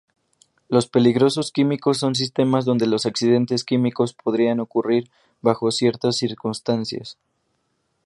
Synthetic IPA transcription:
lo̞spe̞liɣɾo̞so̞skimiko̞s̬ːo̞ns̬ist̪e̞mazðo̞nd̪e̞lo̞saksiðe̞nt̪e̞skimiko̞spʰo̞ð̞ɾiano̞kuriɾ | βaxo̞sje̞ɾt̪asːiɾkunst̪ansja̰s

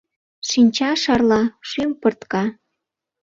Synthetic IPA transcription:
ʃinʲt͡ɕɑʃɑrlɑʃympɤrt̪kɑ

